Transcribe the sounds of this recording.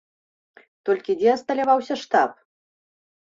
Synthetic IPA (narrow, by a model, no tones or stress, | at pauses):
t̪ɔlʲkʲid͡zʲɛɐst̪ɐlʲavawsʲɐʂt̪ap̚